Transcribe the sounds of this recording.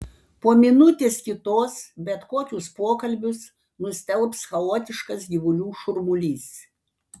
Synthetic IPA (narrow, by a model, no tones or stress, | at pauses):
poːmʲɪnʊt̪ʲeːskʲɪt̪oːsbʲɛt̪koːkʲʊspoɔkɐlʲbʲʊs | nʊsʲt̪ʲɛlˠpsxɐoːt̪ʲɪʃkɐsɡʲɪʋʊlʲuːʃʊɾmʊlʲiːs